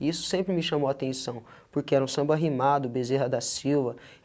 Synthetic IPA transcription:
isʊ̥sẽmpɾɪmɪʃãmowat̪ẽsɐ̃w̃ | pʊɾkeɛɾɐũsɐ̃mbaɦimad̪ʊbezeɦɐd̪ɐsiwvɐ

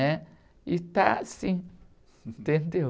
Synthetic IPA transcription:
ẽ | it̪asĩ | t̪end̪i

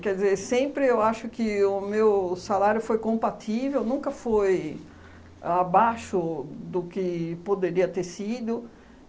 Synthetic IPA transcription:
kɛɾd̪ɪzeɾsẽmpɾɪewaʃʊkɪʊmewsalaɾjʊfojkõmpat̪ʰivewnũŋkɐfoj | abaʃʊd̪ʊkɪpod̪eɾiɐt̪eɾsid̪ʊ

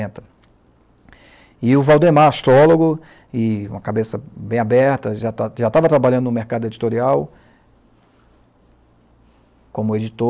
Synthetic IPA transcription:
ẽt̪ɐ | ɪʊvawd̪emaaʃt̪ɾɔloɡʊ | ɪũmɐkabesɐbẽj̃abɛɾt̪ɐʒat̪aʒat̪avɐt̪ɾabaʎɐ̃nd̪ʊnʊmeɾkad̪ʊed͡ʒit̪oɾiaw | kõmʊed͡ʒit̪o

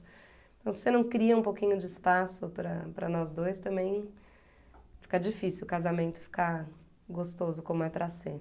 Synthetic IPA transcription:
ẽt̪ɐ̃w̃ssenɐ̃w̃kɾiɐũpowkĩɲʊd͡ʒɪɪspasʊpɾɐpɾɐ̰nɔzd̪ojst̪ɐ̃mbẽj̃ | fi̥kɐd͡ʒifisiwkazamẽnt̪ʊ̥fi̥ka | ɡost̪ozʊkõmʊɛpɾɐse

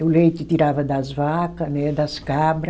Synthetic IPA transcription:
ʊlejt̪ɪt̪iɾavɐd̪ɐzvakɐnɛd̪ɐskabɾɐ

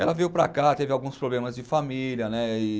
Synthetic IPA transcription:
ɛlɐvewpɾa̰kat̪evɪawɡũspɾoblẽmɐzd͡ʒɪfamiljɐnɛɪ

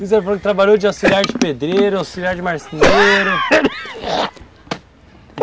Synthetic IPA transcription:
izeɾfɾɐ̃kt̪ɾabaʎowd͡ʒɪawsiliaɾʊd͡ʒɪped̪ɾeɾʊawsiliaɾd͡ʒɪmaɾsineɾɐ

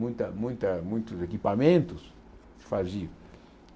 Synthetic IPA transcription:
ũj̃t̪ɐmũj̃t̪ɐmũj̃t̪ʊzekipamẽnt̪ʊs | faʒiɾ

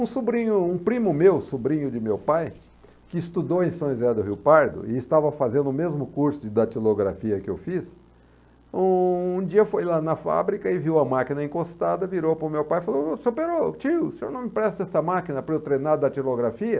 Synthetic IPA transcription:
ũsubɾĩɲʊũpɾĩmʊmewsubɾĩɲʊd͡ʒɪmewpaj | kɪːst̪ud̪owẽj̃sɐ̃w̃ɪzɛd̪ʊɦiwpaɾd̪ʊ̰ɪɪst̪avɐfazẽnd̪ʊʊmezmʊkuɾsʊd͡ʒd̪ɐt͡ʃiloɡɾa̰fiɐkɪḛwfis | ũũd͡ʒiɐfojlanɐfa̰bɾikɐɪviwɐmakinɐẽkost̪ad̪ɐviɾowpɾʊmewpajɪfalosopeɾot͡ʃiwsẽo̰ɾnɐ̃w̃mɪpɾɛst̪ɛsɐmakinɐpʊɾkewt̪ɾejnad̪ɐt͡ʃiloɡɾafiɐ

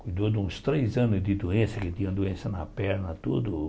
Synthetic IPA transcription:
kujd̪od̪ũst̪ɾejzɐ̃nʊzd̪ɪd̪uẽsɐkɪt̪ĩɲɐ̃d̪uẽsɐnɐpɛɾnɐt̪ud̪ʊ

